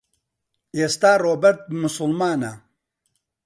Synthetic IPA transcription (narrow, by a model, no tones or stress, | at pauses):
eːst̪aːroːbɐɾt̪̚mʊsʊlmaːna̰